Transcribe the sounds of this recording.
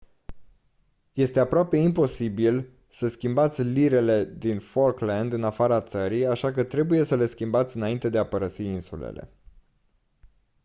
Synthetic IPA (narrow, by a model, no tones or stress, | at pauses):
je̞st̪e̞apɾoape̞impo̞sibil | səskʲimbat̪sʲliɾe̞le̞d̪inforkland̪ɨnafaɾat̪səɾiaʃakət̪ɾe̞buje̞səle̞skʲimbat̪sʲɨnaint̪e̞d̪eapəɾəsiinsulḛle̞̰